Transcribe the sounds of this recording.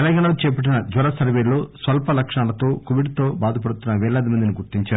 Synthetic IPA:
t̪ɛlɐŋɡaːɳɐlot͡ʃɛːpɐʈ̬inɐd͡ʒɐɾɐsɐɾʋeːloːsʋɐlpɐlɐkʂaːlɐt̪o̞ːkoʋiɖt̪o̞ːbaːd̪ɐp̬ɐɽut̪unːɐʋɛːɭɐːd̪imɐnd̪iniɡuɾt̪iɲt͡ʃaː

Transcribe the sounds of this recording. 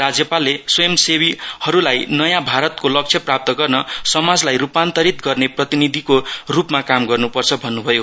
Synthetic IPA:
rad͡zjʌpalːeswʌjʌmsewihʌɾulajnʌjãbʱaɾʌt̪̚kolʌk̚t͡sʰjʌprap̚t̪ʌɡʌrnʌsʌmad͡zlajrupant̪ʌɾit̪ɡʌrneprʌt̪inid̪ʱikorupmakamɡʌrnupʌrt͡sʰʌbʱʌnːubʱʌjo

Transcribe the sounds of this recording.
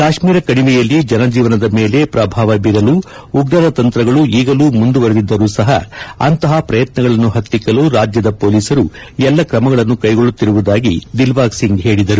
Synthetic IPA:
kaːʂmiːɾɐkɐɽiʋɛjɐlːid͡ʒɐnɐd͡ʒiːʋɐnɐd̪ɐme̞ːle̞pɾɐbʱaːʋɐbiɾɐluː | uɡɾɐd̪ɐt̪ɐnt̪ɾɐɡɐɭuiːɡɐluːmund̪uʋɐɾed̪id̪ːɐɾuːsɐɦɐ̰ɐ̰nt̪ɐɦɐpɾɐjɐt̪nɐɡɐɭɐnːuɦɐt̪ːikːɐluɾaːd͡ʒjɐd̪ɐpo̞ːliːsɐɾu | ɛlːɐkɾɐmɐɡɐɭɐnːukɐjɡoɭːut̪ːiɾuʋud̪aːɡid̪ilʋaːksiŋɡɦe̞ːɭid̪ɐɾu

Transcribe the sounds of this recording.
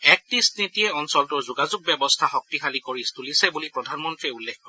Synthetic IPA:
ɛk̚tisnitiɛɔnsɔltʊɹzuɡazʊɡ̚bɛbɔstʰaxɔk̚tixalikoɹistulisɛbulipɹɔdʱanmɔntɹiɛulːekʰkɔɹɛ

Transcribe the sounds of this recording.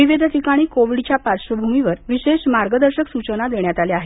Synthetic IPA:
iʋed̪ʱəʈikaɽ̃iːkoʋiɖt͡ɕjapaɾɕʋəbʱumiʋəɾʋiɕeɕmaɾɡəd̪əɾɕəksut͡ɕənad̪eɳjat̪aleaɦe

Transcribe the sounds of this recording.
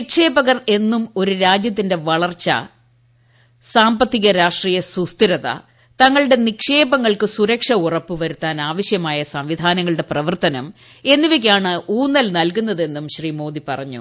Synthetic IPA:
ikʂe̞ːbɐɣɐre̞nːumo̞ɾuɾaːd͡ʑjɐt̪̬ːinde̞ʋɐɭɐrt͡ɕːɐ̰ | saːmbɐt̪ːiɣɐɾaːʂʈriːjɐsust̪iɾɐðɐ̰ | t̪ɐŋːɐɭɨɽe̞nikʂe̞ːbɐŋːɐɭkɨsuɾɐkʂɐurɐpːɨʋɐɾut̪ːaːnaːʋɐɕjɐmaːjɐsɐmʋid̪ʱaːnɐŋːɐɭɨɽe̞prɐʋɐrt̪ɐnɐm | e̞nːiʋik̬ʲːaːɳɨʔuːnːɐlnɐlkunːɐðe̞nːumɕriːmo̞ːd̪ipɐ̰rɐɲːṵ

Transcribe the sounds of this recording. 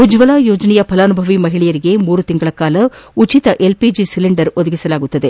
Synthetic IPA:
ud͡ʒʋɐlaːjoːd͡ʒɐnɛjɐpʰɐlaːnubʱɐʋimɐɦiɭɛjɐɾiɡe̞muːɾut̪iŋɡɐɭɐkaːlɐut͡ʃit̪ɐʔe̞lpid͡ʒisiliɳɖɐɾod̪ɐɡisɐlaːɡut̪ːɐd̪e

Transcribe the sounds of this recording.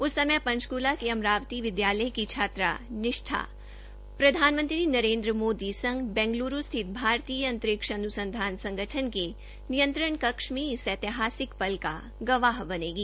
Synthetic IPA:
ʊsːɐməpɐ̃nt͡ʃkuːlakiɐmɾaːʋt̪iʋɪd̪jaːləjkit͡ʃʰaːt̪ɾa̰nɪʃʈʰa̰ː | pɾɐd̪ʱaːnmə̃nt̪ɾinɐɾẽːnd̪ɾəmoːd̪isɐ̃ŋɡbɛ̃ːŋɡluːɾust̪ʰɪt̪̚bʱaːɾt̪iːjəɐ̃nt̪ɾɪkʃɐɐnusə̃nd̪ʱaːnsɐ̃ŋɡəʈʰənke | nijə̃nt̪ɾəɳkɐkʃmisɛːt̪ɪɦaːsɪkpɐlka̰ | ɡɐʋaːɦbɐneːɡiː

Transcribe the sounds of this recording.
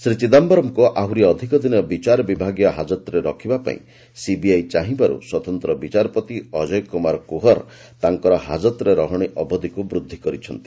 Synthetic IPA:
sɾit͡ʃid̪ambɔɾɔmkuʔauɾiɔd̪ʱikɔd̪inɔbit͡ʃaɾɔbibʱaɡjɔɦad͡ʒɔt̪ɾeɾɔkʰibapa̰ḭ̃ | sibiajt͡ʃaɦĩbaɾṵswɔt̪ɔnt̪ɾɔbit͡ʃaɾɔpɔt̪iɔd͡ʒɔjkɔmaɾkuɦɔɾ | t̪aŋkɔɾɔɦa̰d͡ʒɔt̪ɾeɾɔɦɔɽ̃iʔɔbɔd̪ʱikubɾud̪ʱːikɔɾit͡ʃʰɔnt̪i̥

